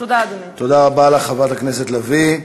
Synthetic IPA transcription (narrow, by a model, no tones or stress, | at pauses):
d | t̪od̪aʁabalaχavat̪akneset̪lavi